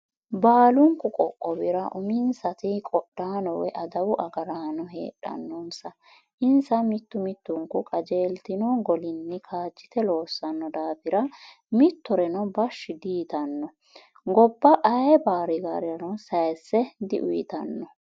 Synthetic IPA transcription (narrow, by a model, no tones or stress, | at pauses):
baːlʊŋkːʊkʼɔkʼːɔbɪɾɐʔʊmɪnsɐt̪ɪkʼɔɗːaːnɔwɛ̰ʔɐd̪ɐwʊʔɐɡɐɾaːnɔɦḛːɗɐ̰nːɔnsɐ | ʔɪnsɐmɪt̪ːʊmɪt̪ːʊŋkʊkʼɐd͡ʒeːlt̪ɪnɔɡɔlɪnːɪkʰaːd͡ʒːɪ̥t̪ɛlo̞ːsːɐnːɔd̪aːfɪɾɐ | mɪt̪ːɔɾɛnɔbɐʃːɪd̪iːt̪ɐnːɔ | ɡɔbːɐʔɐjbaːɾɪɡa̰ːɾɪjɐnɔsɐjsːɛd̪ɪ̰ʔʊjɪt̪ɐnːɔ